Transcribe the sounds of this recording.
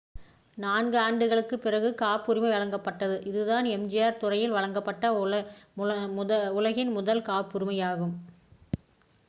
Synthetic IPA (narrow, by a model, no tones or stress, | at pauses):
naːnɡɯaːɳɖɯɣɐɭɯkːɯpːɪrɐɣɯkaːpːʊɾɪmɐɪʋɐɭɐŋɡɐpːɐʈːɐðɯʔɪðɯðaːnɛmd͡ʒɪjaːɾt̪ʊrɐjɪlʋɐɻɐŋɡɐpːɐʈːɐ | ʊlɐɣɪnmʊðɐlkaːpːʊɾɪmɐjaːɣɯm